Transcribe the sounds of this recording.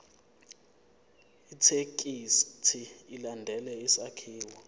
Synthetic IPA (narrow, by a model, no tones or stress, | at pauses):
itʰekʼistʰiilandʱɛlɛisakʰiːwɔ